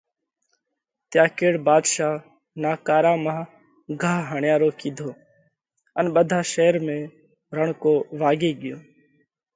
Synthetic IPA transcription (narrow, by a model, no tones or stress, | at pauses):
t̪jãːkeːɽbaːd̪ʃaː | naːkaːɾaːmãː | ɡʱaːɦɦəɳjãːɾoːkiːd̪ʱoː | ənɓəd̪ʱaːʃeːɾmẽː | ɾəɳkoːʋaːɡeːɠɪjoː